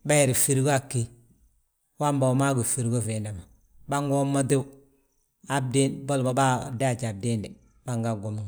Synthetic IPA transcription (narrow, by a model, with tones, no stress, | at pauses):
ba˦ji˨ɾi˨fi˨ɾi˦ɡo˦a˦˨kːi˦ | wa˦mba˨ma˦ɡo˨fi˨ɾɡo˦fe˨nda˨ma˨ | ba˦ŋɡo˦mːa˦de˦u˦ | a˨b̚de˦nbo˦lma˨˦ba˦da˦˨d͡ʒa˨b̚de˦nde˨ | ba˦ŋɡa˦ɡo˨mi˦ŋ